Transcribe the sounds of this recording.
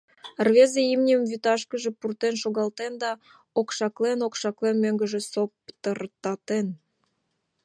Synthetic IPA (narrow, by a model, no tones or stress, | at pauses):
rβezeimnʲəmvyt̪ɑʃkəʒepurt̪enʃoɣɑlt̪end̪ɑ | okʃɑklenokʃɑklenmøŋɡəʒĕsopt̪ərt̪ɑt̪en